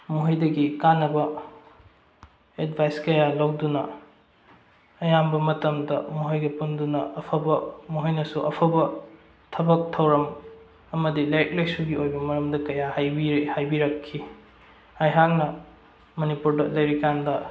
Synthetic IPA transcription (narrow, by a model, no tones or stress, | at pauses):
muɦɐjdɐɡikanːɐbɐ | etbʱajskɐjalɐwdunɐ | ɐjambɐmɐtɐmdɐmuɦɐjɡɐpundunɐɐpʰɐbɐmuɦɐjnɐsuʔɐpʰɐbɐ | tʰɐbɐk̚tʰɐwɾɐm | ɐmɐdilajɐk̚lejsuɡiojbɐmɐɾɐmdɐkɐjahajbiɾhajbiɾɐkʰːi | hajɦak̚nɐ | monipuɾdɐlɐjɾikandɐ